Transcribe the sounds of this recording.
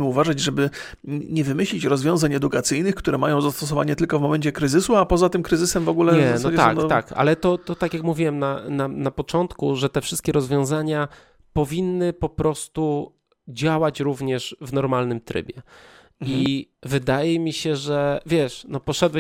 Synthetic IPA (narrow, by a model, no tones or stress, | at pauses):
mɘuvaʐad͡ʑʐɛbɘ | ɲɛvɘmɘɕlʲit͡ɕɾɔzvʲjɔ̃w̃zaɲɛd̪ukat̪sɘjnɘkt̪uɾɛmajɔ̃w̃zast̪ɔs̬ɔvaɲɛt̪ɘlkɔvmɔmɛɲt͡ɕɛkɾɘzɘsuapɔzat̪ɘmkɾɘzɘsɛmvɔɡulɛɲɲɛɛznsɔad͡ʑɛt̪a̰k̪ka̰lɛt̪ɔt̪ɔt̪akjakmuvʲiwɛmnananapɔt͡ʂɔnt̪kuʐɛt̪ɛfʂɘst̪̚kʲɛɾɔzvʲjɔ̃w̃zaɲa | pɔvʲinːɘpɔpɾɔst̪u | d͡ʑawat͡ɕɾuvɲɛʂvnɔɾmalnɘmt̪ɾɘ̰bʲjɛ | ivɘd̪ajɛmʲiɕɛʐɛvʲjɛʂnɔpɔʂɛd̪wɛ